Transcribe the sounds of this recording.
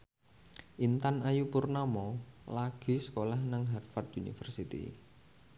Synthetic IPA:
ʔint̪anajupʊrnamɔlaɡ̥i̤sə̥kolahnaŋɦarfart̪ʔunḭfərsit̪ḭ

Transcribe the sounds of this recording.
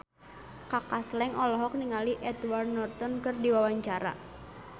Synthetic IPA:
kakaslɛŋʔɔlɔɦɔk̚niŋaliʔɛt̪ward̪nɔrt̪ɔnkɨrdiwawaɲt͡ʃaɾa̰

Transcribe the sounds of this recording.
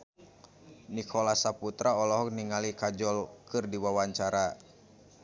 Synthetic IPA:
nikʰɔlasaput̪ɾaɔlɔɦɔk̚niŋalikad͡ʒɔlkɨrdiwawaɲt͡ʃaɾa

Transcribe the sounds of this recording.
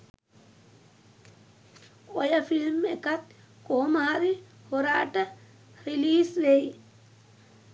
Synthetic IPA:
ojɐfilmekɐt̪ | komaːɾihoɾaːʈɐ | ɾiliːsʋej

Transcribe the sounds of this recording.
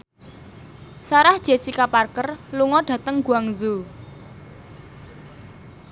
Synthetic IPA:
saɾahd̥ʒ̥esikaparkərluŋɔɖ̥ä̤t̪əŋɡ̥ṳaŋzu

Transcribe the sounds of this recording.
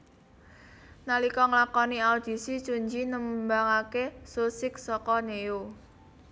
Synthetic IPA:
nalikɔŋlakɔniaud̪̥i̤sit͡ʃuɲd͡ʒinəmbaŋakesusɪk̚sɔkɔneu

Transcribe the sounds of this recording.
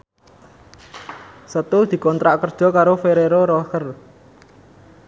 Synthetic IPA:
sət̪ʊhd̪̥i̤kɔnt̪ɾaʔkərd̥ʒ̥ɔ̤kaɾofeɾeɾoɾokər

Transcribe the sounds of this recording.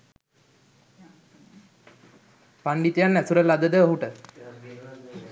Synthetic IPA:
paɳɖit̪ijanːɛsuɾəlːad̪əd̪əəɦuʈə

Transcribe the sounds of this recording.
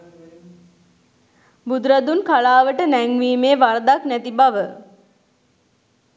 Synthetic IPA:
bud̪ɾad̪unkalaːʋəʈənæŋʋiːmeːʋaɾd̪aknæt̪ibaʋə

